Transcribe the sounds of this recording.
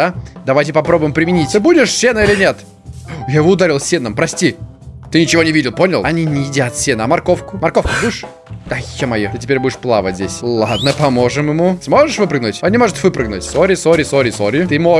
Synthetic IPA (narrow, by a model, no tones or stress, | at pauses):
ad̪ɐvajtʲɪpɐpɾo̞bʊjɪmpɾʲɪmʲɪnʲit̪ʲɨbudʲɪʂsʲenəilʲɪnʲet̪ | jaɪvoʊd̪aɾʲilˠsʲenəmpɾɐsʲtʲi | t̪ɨnʲɪt͡ɕɪvo̞nʲɪvʲidʲɪlˠpo̞nʲɪlˠɐnʲinʲɪjɪdʲat̪sʲenɐmɐrko̞fkʊmɐrkofkʊbudʲɪʂ | d̪ajomɐjot̪ɨtʲɪpʲeɾʲbudʲɪʂplˠa̰və̰zʲesʲllˠad̪nəpɐmo̞ʐɨmjɪmusmo̞ʐɨʂvɨpɾɨɡ̚nʊtʲɐnʲɪmo̞ʐʊt̪vɨpɾɨɡnʊ̰tʲsoɾʲɪsoɾʲɪsoɾʲɪsoɾʲɪt̪ɨmo